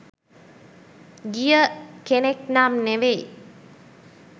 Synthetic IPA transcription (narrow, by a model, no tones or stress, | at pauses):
ɡijəkeneknaːmneʋej